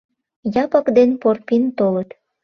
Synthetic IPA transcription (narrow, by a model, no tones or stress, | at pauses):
jɑpɑkd̪enporpint̪olət̪